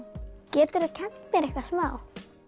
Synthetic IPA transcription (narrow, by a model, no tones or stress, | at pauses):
cɛːt̪ʏɾɪcʰɛn̥t̪mjɛɾɛhkvasmaːw